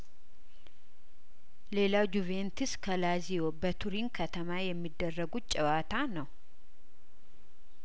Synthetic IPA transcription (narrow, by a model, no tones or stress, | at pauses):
le̞lawd͡ʒuvent̪ʰɨskʰəlazijobət̪ʰuɾinkʰət̪ʰəmajɛmːid̪ːərːəɡut͡ʃʼɛwat̪ʰanəw